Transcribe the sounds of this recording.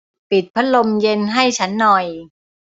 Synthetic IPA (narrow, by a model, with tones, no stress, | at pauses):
pi˨˩t̪̚pʰa˦˥t̪̚lo˧mje˧nɦa˥˩jt͡ɕʰa˦˥nːɔ˨˩j